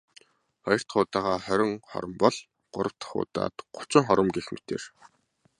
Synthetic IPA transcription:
χɔjɞ̆r̥t̪χʊːt̪aːʁaːχœɾʲɪ̆ŋχɔ̰ɾə̆mpɔɮ | ɢ̥ʊɾə̆w̥t̪χʊ̰ːt̪a̰ːt̪ɢʊ̥t͡ɕɪ̆ŋχɔɾə̆mɡexme̥t̪ḛːr

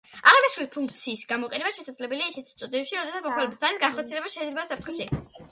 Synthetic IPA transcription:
aʁad̪aʃɾulipʰuŋkʰt̪sʰiːsɡamɔqʼɛnɛbaʃɛsad̪zlɛbɛliaisɛt̪ʰi̥t̪sʼud̪inɛpʃiɾɔd̪ɛsat̪smɔχʰwalɛbisaɾisɡanχɔɾt̪siɛlɛbaʃɛid̪zlɛbasap̚ʰt̪χɛʃɛi

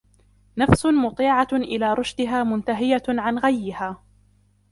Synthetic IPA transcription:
nafsʊmʊt̪ˤiːʕaʔɪlaːɾˤʊʃd̪ɪɦaːmʊnt̪aɦɪjaʕanɣajːɪhaː

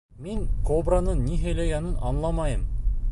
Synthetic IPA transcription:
miŋkobranɤnʲːiɦæjlæɡænɘnɑnlˠɑmɑjɤm

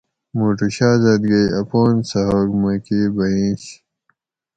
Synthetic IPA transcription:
muʈuɕaːzɐd̪ɡejɐpoːnsɐɦokmɐkibɐĩɕ

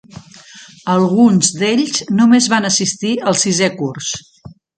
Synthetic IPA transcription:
əlˠɣunzd̪eʎznumezβanəsist̪iəlˠsizɛkurs

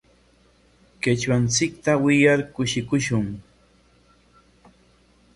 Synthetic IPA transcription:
kɪt͡ʃwant͡sɪk̚t̪awɪjaɾkʊʃɪkʊʃʊŋ

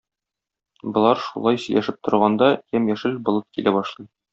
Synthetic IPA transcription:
bŏlˠɑɾʃṵlˠɑjsɵ̆jlʔæʃɘp̚t̪ŏɾʁɑnd̪ɑjæmjæʃɘlbŏlˠɤp̪̚kilæbɒʃlˠɤj

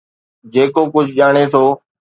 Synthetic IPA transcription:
d͡ʒeːkoːkʊd͡ʒʱʄaːɽ̃eːt̪ʰoː

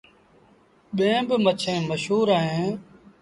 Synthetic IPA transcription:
ɓẽːbɪmət͡ʃʰẽːməʃɦuːɾaːɦẽː

